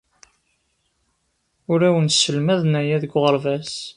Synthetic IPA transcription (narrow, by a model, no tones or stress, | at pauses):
ʊɾæwənsəlmæðnæjæðəɡʷʁəɾvæs